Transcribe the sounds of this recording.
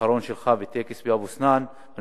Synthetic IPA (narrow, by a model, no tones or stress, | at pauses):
aɾoːnʃelxaːvit̪ekesbiabusnaːn